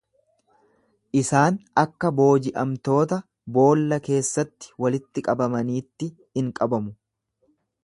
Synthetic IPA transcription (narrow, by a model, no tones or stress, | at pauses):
ʔɪsaːnɐkːɐbo̞ːd͡ʒɪʔɐmt̪o̞ːt̪ɐ | bo̞ːlːɐke̞ːsːɐt̪ːɪ̥wɐlɪt̪ːɪkʼɐbɐmɐniːt̪ːɪ | hɪŋkʼɐbɐmʊ